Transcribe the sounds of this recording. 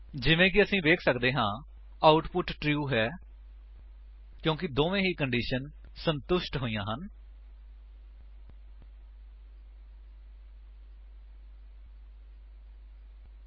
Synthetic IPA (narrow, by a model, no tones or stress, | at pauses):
d͡ʒɪʋẽːkɪəsĩːʋeːkʰsəkd̪eːɦãː | aːʊʈpʊʈʈɾjuːɦɛː | kjõːkɪd̪oːʋẽːɦiːkəɳɖiːʃən | sənt̪ʊʃʈɦoːijãːɦən